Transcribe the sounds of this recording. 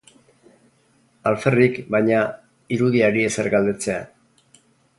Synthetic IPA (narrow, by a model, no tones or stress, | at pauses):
alfe̞rikbajɲa | iɾuðiaɾieseɾɡald̪e̞t͡se̞a